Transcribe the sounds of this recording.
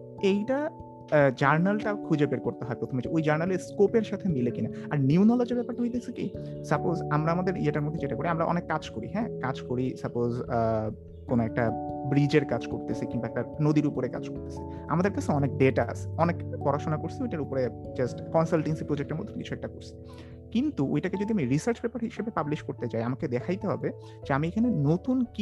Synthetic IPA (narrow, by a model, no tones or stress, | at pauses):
ejʈa | d͡ʑaɾnalʈakʰud͡ʑebeɾkoɾt̪eɦɔepɾot̪ʰomed͡ʑʰiʔojd͡ʑaɾnaleskopeɾʃat̪ʰemilekinaaɾniunɔlod͡ʑeɾbɛpaɾʈaɦojt̪̬et͡ɕʰekisəpozamɾaamad̪eɾieʈaɾmod̪ʱːed͡ʑeʈakoɾiamɾaʔɔ̰nekːad͡ʑkoɾḭɦɛ̃kad͡ʑkoɾisapoz | konoɛk̚ʈabɾid͡ʑeɾkad͡ʑkoɾt̪et͡ɕʰekiŋbaɛk̚ʈanod̪iɾupoɾeka̰d͡ʑkoɾt̪e̥t͡ɕʰe̥ | a̰mad̪eɾkat͡ɕʰeɔnek̚ɖeʈaa̰sʰeɔnekpɔɾaʃonakoɾt͡ɕʰiojʈaɾupoɾed͡ʑasʈkɔnsalʈensipɾod͡ʑek̚ʈeɾmo̰d̪ʱːeki̥̰uɛk̚ʈakoɾsʰi̥ | kint̪uʔo̰jʈaked͡ʑod̪ʱiamiɾisaɾt͡ɕbɛpaɾɦiʃebepabliʃkoɾt̪et͡ɕajamaked̪ɛkʰajt̪eɦɔ̰be | d͡ʑeamiekʰanenot̪unki